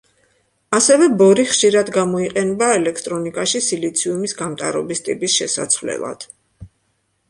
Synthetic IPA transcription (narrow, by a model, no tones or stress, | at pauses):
asɛvɛbɔɾiχʃiɾad̪ɡamɔiqʼɛnbaɛlɛkʰt̪ʼɾɔnikʼaʃisilit̪sʰiumisɡamt̪ʼa̰ɾɔbist̪ʼipʼisʃɛsa̰t̪sʰvlɛ̰lˠa̰d̪̥